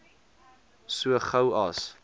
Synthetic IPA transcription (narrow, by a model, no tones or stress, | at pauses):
suəχɐwɐ̰s